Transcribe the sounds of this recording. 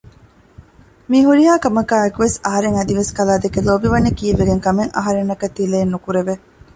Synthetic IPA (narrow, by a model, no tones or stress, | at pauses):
miːɦuɾiɦaːkɐmɐkaːekuʋesɐɦɐɾeŋɐd̪iʋeskɐlaːd̪ekeloːbiʋɐnːɐkiːʋeɡeŋkɐmeŋɐ̰ɦɐɾenːɐkɐt̪ːileːnːukuɾeʋe